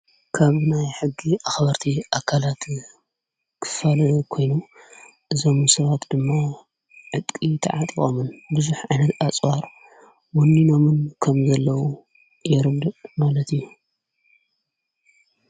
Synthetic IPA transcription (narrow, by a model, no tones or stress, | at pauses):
kʰaβnajħɨɡːiʔaxβɐɾt̪ʰiʔakʰːalat̪ | kʰɨ̥falɐkʰo̞jnu | ʔɨzo̞mɨsɐβat̪d̪ɨmːa | ʕɨt̪ʼkʼit̪ʰɐ̰ʕat̪ʼikʼo̰mɨnbɨzuħʕajnɐt̪at͡sʼwaɾ | wɔnːino̞mɨnkʰɐmzɐlːɐwu | jɛɾɨɡd̪ɨmalɐt̪ijːu